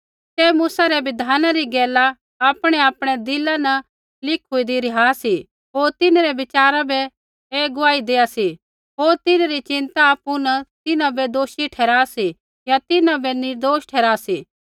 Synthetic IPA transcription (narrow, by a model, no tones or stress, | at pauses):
sɛːmuːsaɾɛʋɪd̪ʱaːnaɾiɡɛːlaː | pɽ̃ɛaːpɽ̃ɛd̪ɪlanɐ | lɪkʰʊid̪iɾɪɦaːsi | ɦoːɾt̪ɪnɾɛbɪt͡ʃaːɾabɛ | eːɡʊaːid̪eːasi | ɦoːɾt̪ɪnaɾit͡ʃɪ̃nt̪aːpunɐt̪ɪnãbɛd̪oːʃiʈʰɛːɾaːsi | jat̪ɪnãbɛnɪɾd̪oːʃʈʰɛːɾaːsiː